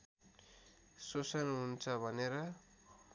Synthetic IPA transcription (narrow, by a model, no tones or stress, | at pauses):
sosʌnɦunt͡sʰʌbʱʌneɾʌ